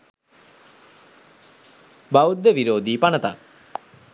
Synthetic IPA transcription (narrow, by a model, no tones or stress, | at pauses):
baud̪ːəʋiɾoːd̪iːpanət̪a̰k